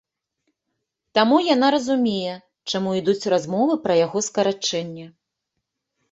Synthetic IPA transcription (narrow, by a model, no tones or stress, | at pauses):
t̪amujan̪aɾɐzumʲejɛ | t͡ʂamuid̪ut͡sʲrazmɔvɨpɾɐjaɣɔskɐɾat͡ʂɛnʲːɛ